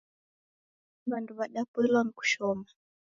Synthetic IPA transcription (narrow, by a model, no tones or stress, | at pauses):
βanduβaɗapɛlwaŋ̩ku̥ʃɔma